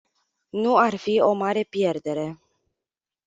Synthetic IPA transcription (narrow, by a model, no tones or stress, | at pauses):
nuarfio̞maɾe̞pje̞rd̪e̞ɾe̞